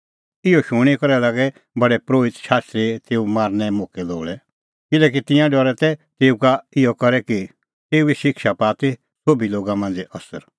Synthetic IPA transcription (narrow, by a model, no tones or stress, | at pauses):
ɪjɔʃʊɽ̃ikɔɾɛlaːɡɛ | bɐɽɛpɾoːɪt̪ʃaːst̪ɾet̪eːumaːɾnɛmoːkɛlo̰ːlɛ | kɪlɛːk̬it̪ɪ̃jãɖɔɾɛt̪ɛt̪eːukaɪjɔkɐɾɛki | t̪eːueʃɪkʃapaːt̪e | sobiloːɡamãnd͡zɛʔɐsə̰ɾ